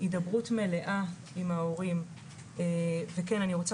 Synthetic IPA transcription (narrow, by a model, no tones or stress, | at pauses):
idɐbʁutme̞le̞ʔa | imao̞ʁim | evekenaniʁo̞t͡sa